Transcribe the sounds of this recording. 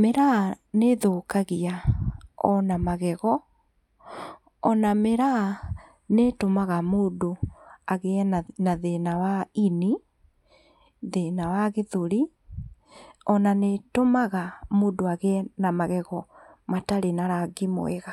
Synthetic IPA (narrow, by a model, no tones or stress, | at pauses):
meɾaneðoːkaɣia | ɔ̰namaɣɛɣɔ | ɔnameɾa | netomaɣamoːdoaɣenaðenawaini | ðenawaɣeðoɾi | ɔnanetomaɣamodoaɣenamaɣɛɣɔmataɾenaɾaɡimo̰eɣa